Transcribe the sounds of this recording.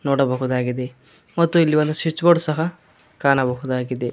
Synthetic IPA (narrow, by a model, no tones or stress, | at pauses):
noːɽɐbɐɦud̪aːɡid̪e | mɐt̪ːuilːiʋond̪usit͡ʃːboɖsɐɦɐ | kaːnɐbɐɦud̪aːɡid̪e